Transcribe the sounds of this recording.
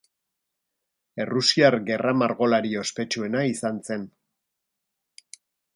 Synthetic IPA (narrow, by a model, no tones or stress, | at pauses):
e̞rusiaɾɣe̞ramaɾɣo̞laɾio̞spe̞t͡ʃue̞naisanse̞n